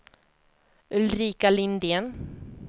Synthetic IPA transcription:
ɵlɾiːkalɪnd̪ɪən

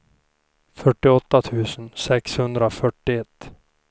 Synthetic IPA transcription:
fœʈːɪɔt̪ːat̪ʰʉ̟ːsənsɛkshɵnd̪ɾafœʈːɪɛt̪ː

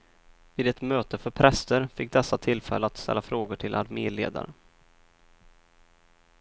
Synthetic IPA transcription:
viːd̪ɛt̪møːt̪əfœɾpʰɾɛst̪əɾfɪk̚ːd̪ɛsːat̪ʰɪlfɛ̰lːəat̪st̪ɛ̰lːafɾoːɡʊʈʰɪlʔa̰ɾmeːleːd̪a̰ɾə

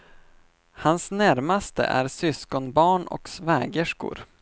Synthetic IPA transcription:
hansnæɾmast̪ə̰ʔæ̰ɾsʏskɔnbɑːɳɔ̰ksvɛːɡəʂkʊ̰ɾ

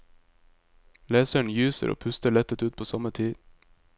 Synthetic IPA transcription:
leːsəɳ̩jʉːsə̰ɾo̰ːpʰʉst̪əɭɛt̪ət̪ʉːpʰoːsɑmət̪ʰiːd̪

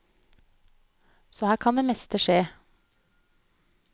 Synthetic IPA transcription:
sɔːhæːɾkʰɑnd̪eːmɛst̪əʃeː

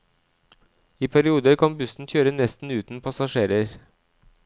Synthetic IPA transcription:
iːpʰæɾɪuːd̪əɾkʰɑnbʉsn̩çøːɾənɛst̪n̩ʉːt̪n̩pʰɑsɑʃeːɾəɾ

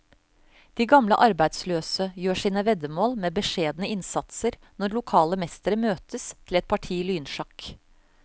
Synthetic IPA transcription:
d̪̥iːɡɑmləʔɑɾbæɪd̪sløːsəjøːʂiːnəʋɛd̪əmoːlmeːbəʂeːd̪nəɪnsɑt̪səɾ | nɔɾɭʊkʰɑːləmɛst̪əɾəmøːt̪əst̪ʰɪlɛt̪̚pʰɑʈʰiːlyːnʂɑk

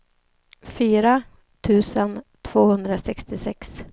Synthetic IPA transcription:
fyːɾa | t̪ʰʉ̟ːsənt̪ʰv̥oːhɵnd̪ɾasɛkst̪ɪsɛks

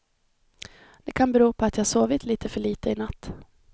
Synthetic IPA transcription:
d̪̥ɛkʰanbɛɾuːpʰɔat̪jɑhaʂsoːvɪt̪ʰliːt̪əfœɭiːt̪əɪnat̪ː

